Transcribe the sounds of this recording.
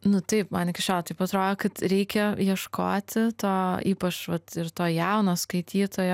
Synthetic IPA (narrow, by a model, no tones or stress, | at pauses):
nʊt̪ɐɪpmɐːnʲɪkʲɪʃt͡ʃʲoːlˠt̪ɐɪpɐt̪ɾoːd̪oːkɐt̪ɾʲɛɪkʲɛjiɛʃkʰo̰ːt̪ʲɪt̪oːiːpɐt͡ʃʋɐt̪ɪɾt̪oːjɛʊnoːskɐɪt̪ʲʰiːt̪oːjoː